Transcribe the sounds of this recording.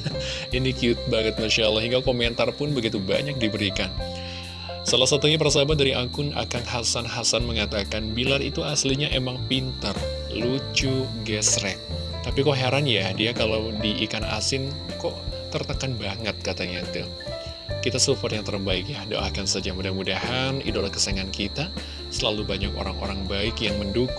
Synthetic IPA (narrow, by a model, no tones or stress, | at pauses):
inikiut̪̚baŋət̪̚maʃaʔlːahiŋɡakoment̪arpʊnbəɡit̪uba̰ɲak̚dibəɾikan | salahsat̪uɲap̬ərsabat̪̚daɾiʔakʊna̰kaŋɦasanɦasanməŋat̪akanbilarḭt̪uasliɲaʔemaŋpint̪ər | lut͡ʃuɡɛsɾɛk̚ | t̪apikɔʔɦeɾanjadiakalawdiʔikana̰sɪn | kɔʔt̪ərt̪əkanbaŋət̪̚kat̪aɲat̪ṵ | kit̪asufarjaŋt̪əɾbaɪkjado̰ʔa̰kansad͡ʒamudahmudahanḭdolakə̥saŋankit̪a | səlalubaɲako̰ɾaŋo̰ɾaŋbaɪkjaŋmənduk